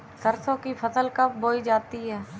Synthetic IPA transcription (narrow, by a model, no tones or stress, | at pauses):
səɾsõkipʰɐsəlkɐp̚boːid͡ʒaːt̪iɦɛː